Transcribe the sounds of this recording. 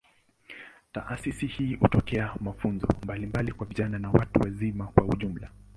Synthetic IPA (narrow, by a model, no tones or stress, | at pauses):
ta̰ʔasisihiːhṵtɔkɛamafunzɔ̰mbalimbalikwaviʄananawatuwazimakwauʄum̩la